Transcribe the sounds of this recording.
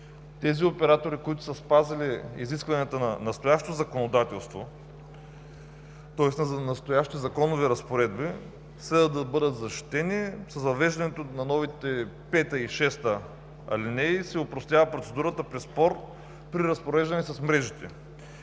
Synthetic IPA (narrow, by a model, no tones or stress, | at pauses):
t̪ɛziopɛɾat̪oɾikoʊit̪ʊ̥sɐspazɐliḭziskvɐnijɐt̪ənɐnɐst̪ojaʃo̥t̪ozɐkonod̪at̪ɛlˠst̪vo | t̪ɔɛsnnɐst̪ojaʃt̪izɐkɔnoviɾɐspoɾɛd̪bi | sɛd̪əd̪ɐbɤd̪ət̪zɐʃt̪i̥t̪ɛnisɐzvɐvɛʒd̪ɐnɛt̪onɐnɔvit̪ɛpɛt̪əiʃɛst̪ə | ɐ̰linɛsɛopɾost̪ʲjavɐpɾot̪sɛd̪uɾət̪əpɾɛspɔɾ | pɾiɾɐspoɾɛʒd̪ɐnɛsɐsmɾɛʒit̪ɛ̰